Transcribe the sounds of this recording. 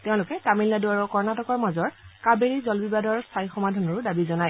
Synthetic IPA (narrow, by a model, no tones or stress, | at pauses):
teʊ̃lʊkɛtamilnaduaɹʊkɔɹnatɔkɔɹmazɔɹkabeɹizɔlbibadɔɹsajxɔmadʱɔnɔɹʊdabizɔnaj